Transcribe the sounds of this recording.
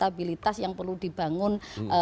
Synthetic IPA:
t̪abilit̪asjaŋpərludib̥a̤ŋʊnə

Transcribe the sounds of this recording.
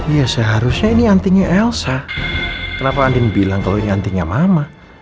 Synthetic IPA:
ijasəɦaɾusɲainiant̪iɲaʔɛlsa | kənapaːndiŋbilaŋkaloiniant̪iɲamama

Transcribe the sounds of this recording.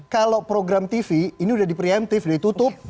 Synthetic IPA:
kalawpɾoɡɾamt̪ifiːniudahdipɾiamt̪ɪfdait̪ut̪ʊp̚

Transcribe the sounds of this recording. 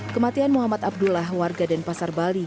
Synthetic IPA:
kəmat̪ianmuɦamat̪̚ab̚dulaɦwarɡadanpasarbali

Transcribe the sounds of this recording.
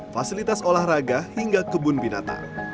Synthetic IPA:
fasilit̪asolahraɡahiŋɡakəbʊnbina̰t̪a̰

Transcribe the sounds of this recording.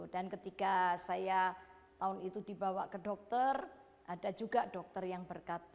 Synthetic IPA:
dankət̪ikasaja | t̪aʊnit̪udibawaʔkədɔk̚t̪ər | ʔadad͡ʒuɡadɔk̚t̪ərjaŋbərkat̪̚

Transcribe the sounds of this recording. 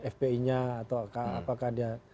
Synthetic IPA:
ɛfpeiɲaːt̪awkaa̰pakahdia

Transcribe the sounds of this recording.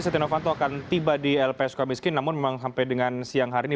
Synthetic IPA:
sɛt̪inofant̪oakant̪ibadiɛlpeɛskamiskɪnːamʊnmemaŋsampajdəŋansiaŋɦaɾini

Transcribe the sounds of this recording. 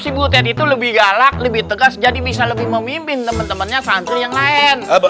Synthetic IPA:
sibut̪̬ɛnit̪uləbɪhɡalak̚ləbɪht̪əɡasd͡ʒadibis̬aləbɪhməmimpɪnt̪əmənt̪əmənɲasant̪ʊjaŋlaɛn

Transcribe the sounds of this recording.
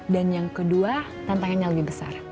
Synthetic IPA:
danjaŋkədua | t̪ant̪aŋanɲaləbihbəsa̰r

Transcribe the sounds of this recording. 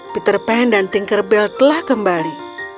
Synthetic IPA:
pit̪ərpandant̪iŋkərbɛlt̪əlahkəmbali

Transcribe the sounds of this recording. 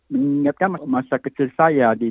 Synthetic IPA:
məŋiŋat̪̚kanmamasakət͡ʃilsajadi

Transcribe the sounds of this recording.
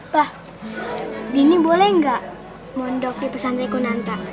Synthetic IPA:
b̥ah | dinibolɛhŋɡaʔ | mɔndɔk̚dipəsant̪ikunant̪a

